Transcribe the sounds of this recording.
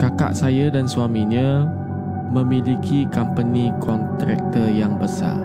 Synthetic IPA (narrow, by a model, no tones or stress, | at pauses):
kaka̰ʔsajadanswamiɲə̃ | mə̃milikʰikampənikʰɔnt̪ɾɛ̰k̚t̪ərjaŋbəsa̰